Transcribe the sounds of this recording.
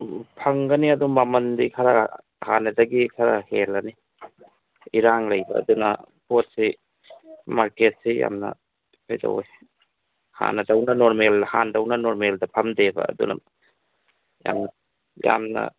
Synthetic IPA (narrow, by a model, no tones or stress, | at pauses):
pʰɐŋɡɐniɐdumɐmɐndikʰɐɾɐ | hanɐdɐɡikʰɐɾɐhelɐni | iɾaŋlɐjbɐ̰ːdunɐ̰pot̚si | maɾket̚sija̰mnɐ̰ | ajdɐ̰w̰j | ha̰nɐdɐwnɐnoɾmelhandɐwnɐnoɾmeldɐpʰɐmdebɐ̰ːdṵnɐ̰ | ja̰mnɐ | ja̰mnɐ̰